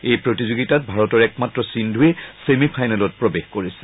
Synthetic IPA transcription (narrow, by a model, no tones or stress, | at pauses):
ejpɹotizuɡitat̚bʱaɹɔtɔɹɛk̚matɹɔsindʱuɛsemipʰajnɛlɔt̚pɹɔbexkoɹisɛ̥